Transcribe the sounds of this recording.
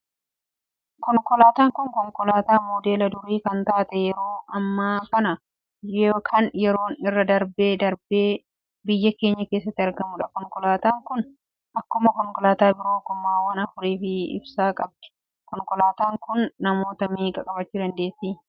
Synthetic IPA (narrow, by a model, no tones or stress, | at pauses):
kɔŋkɔlaːt̪aːŋkʊŋkɔŋkɔlaːt̪aːmoːd̪eːlɐd̪ʊɾiːkɐnt̪aːt̪ɛjɛɾo̞ːɐmːaːkɐnɐ | kʰɐnjɛɾo̞ːnɪrːɐd̪ɐɾbeːd̪ɐɾbeː | bɪjːɐke̞ːɲːɐke̞ːs̬ːɐt̪ːɪɐɾɡɐmʊᶑɐkɔŋkɔlaːt̪aːŋkʊn | ʔɐkːʊmɐkɔŋkɔlaːt̪aːbɪɾoːkʊmːaːwɐnɐfʊɾiːfɪɪ̰bsaːkʼɐb̚d̪̥ɪ̥ | kɔŋkɔlaːt̪aːŋkʊnːɐmo̞ːt̪ɐmiːkʼɐkʼɐbɐt͡ʃːuːd̪ɐnd̪e̞ːsːiː